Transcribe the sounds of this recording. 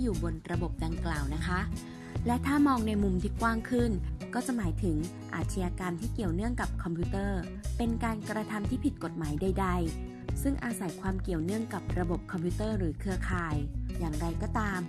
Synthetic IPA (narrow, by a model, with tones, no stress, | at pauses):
juː˨˩bo˧nɾa˧bo˨˩p̚da˧ŋklaː˨˩wna˦˥kʰa˦˥ʔ | lɛ˦˥t̪ʰaː˥˩mɔː˧ŋna˧jmu˧mt̪ʰiː˥˩kwaː˥˩ŋkʰɯ˥˩nkɔː˥˩t͡ɕa˨˩ʔmaː˩˦jt̪ʰɯ˩˦ŋ | ʔa̰ː˨˩t̪̚ʰt͡ɕʰi˧jaː˧kaː˧nt̪ʰiː˥˩ki˨˩əwnɯ˥˩əŋka˨˩p̚kʰɔ˧mpʰuː˦˥t̪ɤː˥˩ | pe˧nkaː˧nkɾa˧t̪ʰa˧mt̪ʰiː˥˩pʰi˨˩t̪̚ko˨˩t̪̚maː˩˦jda˧jda˧j | sɯ˥˩ŋʔaː˧sa˨˩˦jkʰwaː˧mki˨˩əwnɯ˥˩əŋka˨˩p̚ɾa˧bo˨˩p̚kʰɔ˧mpʰi˦˥t̪ɤː˥˩ɾɯː˩˦kʰɯ˧ɐkʰaː˧jjaː˨˩ŋɾa˧jkɔː˥˩t̪aː˧m